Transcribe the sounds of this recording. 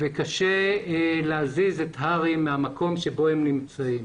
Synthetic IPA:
vekaʃeleazizetɦaʁimːeamako̞mʃebo̞hemnimt͡saim

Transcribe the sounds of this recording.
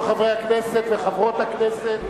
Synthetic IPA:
χavʁejhakneset̪veχavʁot̪hakneset̪

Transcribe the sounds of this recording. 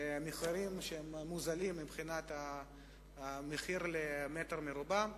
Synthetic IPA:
miχaɾimʃeemmːuzalimːibχinat̪a | meχiɾlemet̪eɾmeɾubam

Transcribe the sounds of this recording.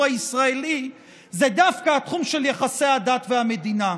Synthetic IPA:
aisʁaeli | zed̪afkaat̪χumʃeljaχase̞jhad̪at̪veame̞d̪ina

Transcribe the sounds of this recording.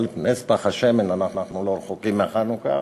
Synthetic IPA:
lipnespaχaʃemenanaχnaχnuloɾeχokimeaχanuka̰

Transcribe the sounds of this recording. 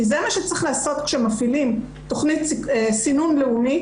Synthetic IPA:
izemaʃet͡sʁiχlaːso̞t̪kʃemafilim | t̪oχnit̪siesinunleumi

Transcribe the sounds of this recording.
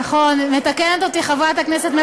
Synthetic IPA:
aχo̞nme̞t̪akenet̪ot̪iχavat̪akneset̪me

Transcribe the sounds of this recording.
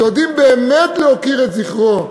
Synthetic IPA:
od̪imbeːmɛtleokiʁɛtziχʁo

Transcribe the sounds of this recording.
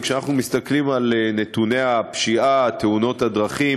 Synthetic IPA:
kʃeanaχnumist̪aklimalene̞t̪une̞apʃiat̪euno̞tadʁaχi

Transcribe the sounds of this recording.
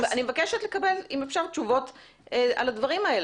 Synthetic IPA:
animevakeʃetle̞kabe̞limefʃaʁt̪t͡ʃuvo̞t | ea̰ladvaʁimael

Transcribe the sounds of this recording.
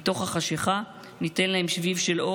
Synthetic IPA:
t̪o̞χhaχaʃeχa | nit̪enlahe̞mʃvivʃe̞lo̞

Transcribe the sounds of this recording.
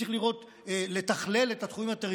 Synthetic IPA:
iχliʁo̞t̪ | le̞t̪aχle̞let̪at̪χuimat̪eʁi

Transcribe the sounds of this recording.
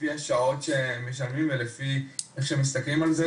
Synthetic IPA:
iaʃao̞tʃemeʃ̬almimvelefieχʃemis̬t̪aklimalze

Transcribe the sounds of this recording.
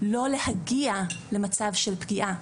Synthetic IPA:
lo̞le̞haɡiale̞mat͡savʃelpɡiʔa

